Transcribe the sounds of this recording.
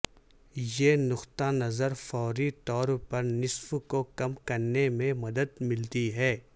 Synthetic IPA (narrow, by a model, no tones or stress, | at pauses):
jenʊxt̪anɐzəɾfɔːɾit̪ɔːɾpɐɾnɪsfkokɐmkɐɾnemẽmɐd̪əd̪mɪlt̪iɦɛː